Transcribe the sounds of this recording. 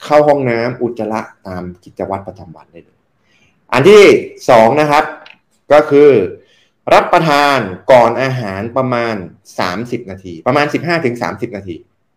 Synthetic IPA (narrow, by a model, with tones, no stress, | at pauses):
kʰa˥˩wɦɔ˥˩ŋnaː˦˥mʔu˨˩t̪̚t͡ɕːa˧la˦˥ʔt̪aː˧mki˨˩t͡ɕa˧wa˦˥t̪̚p̚ɾa˧t͡ɕa˧mwa̰˧ndaː˥˩jlɤː˧˩ | ʔa̰˨˧nt̪ʰiː˥˩sɔː˩˦ŋna˦˥kʰa˦˥p̚ | kɔː˥˩kʰɯː˧ | ɾa˦˥t̪̚pːɾa˧t̪ʰaː˧nkɔː˨˩nʔaː˧ɦaː˩˦npɾa˧maː˧n | sa̰ː˩˦msi˨˩p̚naː˧t̪ʰiː˧pɾa˧maː˧nsi˨˩p̚ɦaː˥˩t̪ʰɯ˩˦ŋsa̰ː˩˦msi˨˩p̚naː˧t̪ʰḭː˧